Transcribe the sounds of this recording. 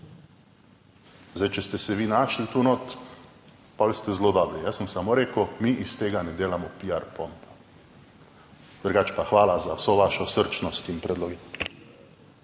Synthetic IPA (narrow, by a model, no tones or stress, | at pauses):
zdajt͡ʃɛst̪ɛsɛʋiːnaːʃlit̪unot̪ | pɔlʲst̪ɛzloːd̪aːbɾijasəmsamoɾeːkəwmiʔist̪eːɡanɛd̪eːlamɔpiaɾpɔnt̪ḁ | d̪̥ɾɡaːt͡ʃpaxʋaːlazawsoʋaʃɛsəɾt͡ʃnɔst̪inpɾɛd̪loɡi